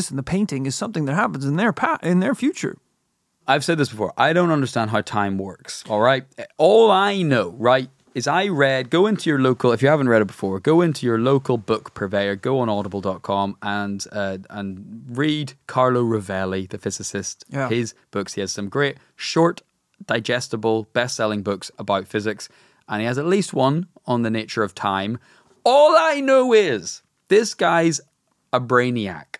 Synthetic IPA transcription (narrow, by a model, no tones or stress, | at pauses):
ɪsn̩ðəpʰẽɪ̃ntɪ̃ŋɪz̥sʌ̃mθɪ̃ŋðət̚ɦapə̃n̩zɪ̃nðə˞pʰaʔɪ̃nðə˞fjʉt͡ʃə̰˞ | aɪv̥sɛd̪̚ðɪsb̥ɪfɔ̰ːɹʔa̰ɪɾõʊ̃ntʌ̃ndə˞stãndɦaʊtʰãɪ̃mwɜ̰˞ksɔlˠɹaɪt̚ɔlˠaɪnoʊɹaɪt̚ | ɪzaɪɹɛd̚ɡoʊɪ̃ntʰʉjə˞loʊkəlˠɪfjɨhavə̃nʔ̚ɹɛɾət̚b̥ɪ̥fɔːɹɡoʊɪ̃ntʰʉjə˞loʊkəlˠbʊkpʰəveɪə˞ɡoʊə̃nɔɾəbəl̩ˠdɔt̚kʰɔ̃mə̃nʌə̃nɹidkʰɑɹlˠoʊɹəvɛlˠiðəfɪzɪsɪsthɪzb̥ʊkshiəz̥sʌ̃mɡɹeʔ | ʃɔɹʔ | d̥aɪd͡ʒɛstəbəlˠb̥ɛstsɛlˠɪ̃ŋbʊksəbaʊtfɪzɪks | ʔə̃niəzətˡlist̚wʌ̃n | ə̃nðənet͡ʃə˞əv̥tʰãɪ̃m | ɔlˠaɪnoʊɪz̥ | ðɪsɡ̥aɪz | əbɹẽɪ̃nia̰k